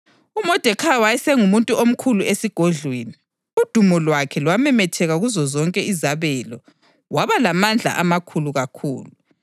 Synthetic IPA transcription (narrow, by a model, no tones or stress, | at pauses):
umɔd̥ʱɛkʰawajɛsɛŋumuntʼuom̩kʰuluesiɡ̥ʱoɮweːni | ud̥ʱumɔlwakʰɛlwamɛmɛtʰɛɣaɣuzɔzɔŋkʼɛizaβɛːlɔ | waβalamand͡ɮʱa̰ʔamakʰuluɣakʰṵːlu